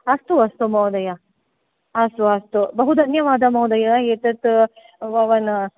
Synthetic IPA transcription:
ɐst̪uɐst̪umɐwd̪ɐjɐ | ɐst̪uɐst̪ubɐɦud̪ʱɐnjɐʋaːd̪ɐmɐwd̪ɐjɐet̪ɐt̪ | ʋɐʋɐn

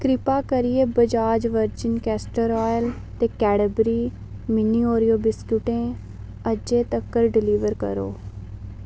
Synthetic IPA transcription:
kɾɪpaːkəɾɪeːbəd͡ʒaːd͡ʒʋəɾd͡ʒɪnkɛːsʈəɾɔːjəl | t̪eːkɛːɽəbɾiː | mɪniːoːɾijoːbɪskjuʈẽː | əd͡ʒeːt̪əkːəɾɖɪliːʋəɾkə̰ɾo̰ː

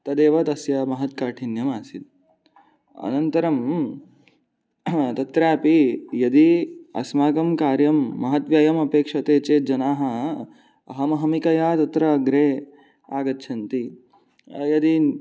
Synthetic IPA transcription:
t̪ɐd̪eːʋɐt̪ɐsjɐmɐɦɐt̪̚kaːʈʰinjɐmaːsid̪̚ | ɐ̰nɐnt̪ɐɾɐm | t̪ɐt̪ɾaːpijɐd̪iɐ̰smaːɡɐmkaːɾjɐmːɐɦɐt̪ʋjɐjɐmɐpeːkʂɐt̪eːt͡ʃeːt̪̚d͡ʒɐnaːɦɐ | ɐ̰ɦɐmɐɦɐmikɐjaːt̪ɐt̪ɾɐːɡɾeː | a̰ːɡɐtːʃʰɐnt̪i | jɐd̪i

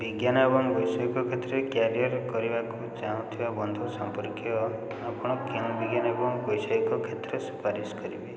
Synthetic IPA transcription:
biɡjanabɔŋbɔjsɔikɔkʰet̪ɾekjaɾijɔɾkɔɾibakut͡ʃaũt̪ʰiwabɔnd̪ʱusɔmpɔɾkijɔ | apɔɽ̃ɔkeŋbiɡjanabɔŋbɔjsɔikɔkʰet̪ɾɔswi̥paɾiskɔɾibe

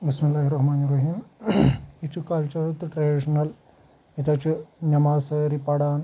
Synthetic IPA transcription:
bismilːaːɦiɾɐhmaːnirɐɦiːm | it͡ʃːukɐlt͡ʃɐɾt̪ɨʈɾɐɖiʂɐnɐl | et̪aːt͡ʃunɐmaːsɐɾipɐɽaːn

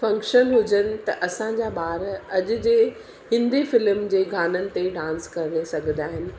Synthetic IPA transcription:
fɐ̃ŋkʃənɦʊd͡ʑənɪ̆t̪ɐʔɐsãd͡ʑaːɓaːɾɐʄʊ̆d͡ʑeː | hɪ̃nd̪efɪlmd͡ʑeːɡʱaːnənɪ̆t̪eɖãːnskɐɾnesɐɡʱə̃nd̪aːɦɪnɪ̆

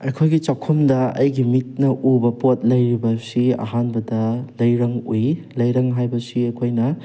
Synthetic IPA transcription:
ɐjkʰojɡit͡ʃawkʰomdɐɐ̰jɡimit̚nɐʔubɐpot̚lɐjɾibɐsiɐ̰ɦhanbɐdɐlɐjɾɐŋuj | lɐjɾɐŋɦajbɐsiɐkʰojnɐ

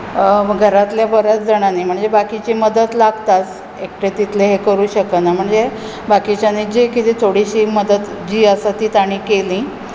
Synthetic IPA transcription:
ɡʱəɾat̪ljabəɾət͡sd͡zəɽ̃aniːm̤əɳd͡zebakit͡ɕiməd̪ət̪laɡt̪as | ek̚ʈet̪it̪leɦekəɾuːɕəkənam̤əɳd͡ze | bakit͡ɕjanid͡ʑikit̪iːt̪ʰoɽiɕiːməd̪ət̪d͡ʑiːəsat̪iːt̪aɽ̃ikelĩ

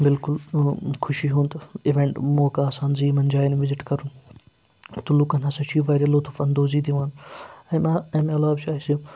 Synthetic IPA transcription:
bɪlkʊlkʰʊʃiɦũːnt̪ɪʋẽɳʈmoːkaːsaːnziːmɐnd͡ʒaːjnʋɪzɪʈkɐɾun | t̪ulukɐnɐsɐt͡ʃʰiːʋaːjɾɐloːt̪ʰufɐnd̪oːziːd̪iʋaːnɐmaɐmɐlaːbt͡ʃʰaːisi

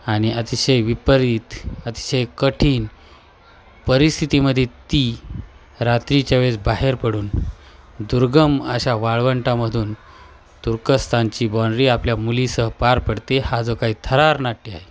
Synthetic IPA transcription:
aɽ̃iət̪iɕəjʋipəɾiːt̪ət̪i̥ɕəjkəʈʰiːn | pəɾist̪ʰit̪iməd̪ʱːjet̪i | ɾat̪ɾit͡ɕaʋed͡zbaɦeɾpəɽuːn | d̪uɾɡəməɕaʋaɭʋəɳʈaməd̪ʱuːn | t̪uɾkəst̪ʰant͡ɕiːbɔɳɖɾiːapljamulisəɦəpaɾpəɽt̪ehad͡zokaɦiːt̪ʰəɾaɾnaʈːia̰ɦe

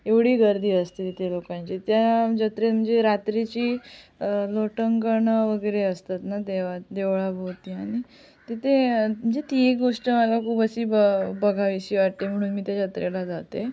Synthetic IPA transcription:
eʋɽiːɡəɾd̪ʱiːəst̪it̪elokãɲt͡ɕit̪jad͡ʑət̪ɾet̪m̤əɳd͡zeɾat̪ɾit͡ɕiː | loʈəŋkəɾɳəʋəɡəjɾeəst̪at̪nad̪eʋad̪eʋɭabʱowt̪iːaɽ̃i | t̪it̪ʰem̤əɳd͡zet̪iekɡoʂʈəmalakʰuːbəsiːbəbəɡʱaʋiɕiːʋaʈ̚t̪em̤əɽ̃uːnmiːt̪jad͡ʑət̪ɾelad͡zat̪e

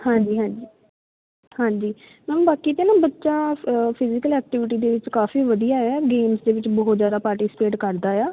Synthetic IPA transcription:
hãːɲd͡ʒiːɦãːd͡ʒi | hãːɲd͡ʒiː | mɛːnũːbaːkiːt̪eːnãːbətːʃaːpʰɪzɪkəlɛːk̚ʈɪʋɪʈ̬iːd̪eːʋɪt͡ʃkaːfiːʋəd̪ijaːɛːɡeːmsd̪eːʋɪt͡ʃbɔːʊt̪zjaːd̪aːpaːɾʈɪsɪ̥peːʈkəɾd̪aːjaː

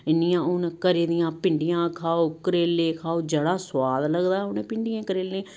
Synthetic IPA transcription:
ɪnijãːʊnkəɾeːd̪ɪjãːpɪɳɖɪjãːkʰaːoːkəɾeːlːẽːkʰaːoːd͡ʒəɽaːswaːd̪ləɡd̪aːɦʊneːpɪɳɖɪjãːkəɾeːlẽː

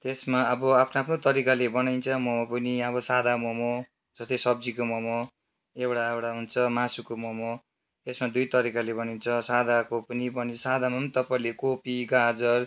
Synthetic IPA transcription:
t̪esmaʌbʌapʰnoapʰnot̪ʌɾikalebʌnajnt͡sʰʌmʌmapʌniʌβʌsad̪ʱamomo | d͡zʌst̪ʌjsʌb̚d͡zikomʌmo | ewɽaewɽaɦunt͡sʰʌmasukomomo | t̪esmad̪ujt̪ʌɾikalebʌnint͡sʰʌsad̪ʱakopʌnibʌnisad̪ʱamʌmt̪ʌpaĩlekopiɡad͡zʌr

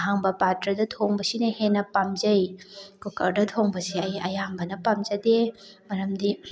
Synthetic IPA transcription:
ɦaŋbɐpatɾɐdɐtʰoŋbɐsinɐhenːɐpamzɐjkukɐɾdɐtʰoŋbɐsiɐjɐjambɐnɐpamzɐdemɐɾɐmdi

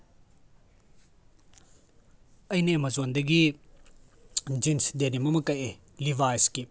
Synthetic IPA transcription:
ɐjnemɐzondɐɡi | d͡ʒinsdenimɐmɐkɐje | liβajski

